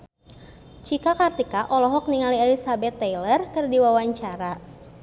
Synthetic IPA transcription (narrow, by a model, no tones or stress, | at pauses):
t͡ʃikakart̪ikaʔɔlɔɦɔk̚niŋaliɛlisabɛt̪ːɛjlərkɨrdiwawaɲt͡ʃaɾa